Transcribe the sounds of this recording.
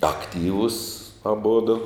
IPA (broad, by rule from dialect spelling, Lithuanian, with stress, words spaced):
ɐkˈtʲiːʋʊs ɐˈbʊdʊ